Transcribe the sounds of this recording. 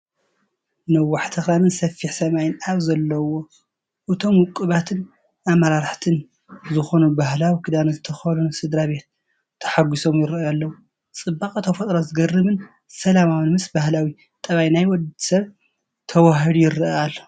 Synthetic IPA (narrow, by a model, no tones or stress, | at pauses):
nɐwːaħt̪ʰɐxɾanɨnsɐfːiħsɐmajɪnaβzɐlːɐwo̞ | ʔɨt̪ʰo̞mwɨkʼːɨβat̪ʰɨn | ʔamɐɾaɾħt̪ʰɨn | zɨxo̞nubahlawikʰɨd̪anɐzɨt̪ʰɐxɐnunsɨd̪ɾabe̞t̪̚ʰː | ɐ̥ħaɡiso̞mjɪɾjalːɐwu | t͡sʼɨbːakʼɐt̪ʰɐfɐt̪ʼɾozɨɡɐrɨβɨn | sɐlamawɨnmɨsbahlawi | t̪ʼɐβajnajwɔd̪sɐβ | t̪ʰɐwaɦɨd̪ujɪɾɨal